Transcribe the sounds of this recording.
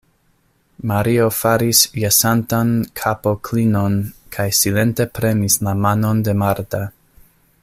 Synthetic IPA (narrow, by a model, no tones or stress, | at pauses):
maɾio̞faɾisjasantankʰapo̞kʰlino̞nkʰajsile̞nte̞pɾe̞nislamano̞nde̞maɾta